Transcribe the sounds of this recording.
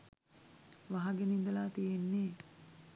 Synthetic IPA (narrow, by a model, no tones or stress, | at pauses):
ʋaɦaɡenind̪ɐlaːt̪ijenːeː